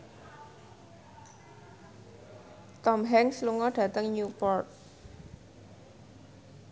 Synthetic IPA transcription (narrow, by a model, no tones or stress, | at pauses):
t̪ɔmɦɛŋsluŋɔɖ̥ä̤t̪əŋɲupɔrt̪̚